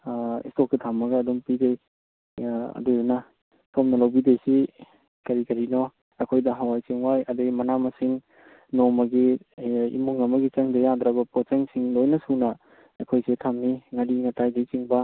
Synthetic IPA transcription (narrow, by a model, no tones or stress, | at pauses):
ḭstok̚ːitʰamːɐɡɐːdumpidej | ɐ̰dunɐ | sʰomnɐlawbidejsi | kɐɾikɐɾinɔ | ɐkʰojdɐɦawajsiŋwajɐdeɡmɐnamɐsiŋ | nomɐɡiḭmuŋɐmɐɡit͡ʃɐŋdejand̪ɾabɐpot͡ʃeŋsiŋlojnɐsunɐ | ɐkʰojsetʰamniŋadiŋɐtajdejt͡ʃiŋbɐ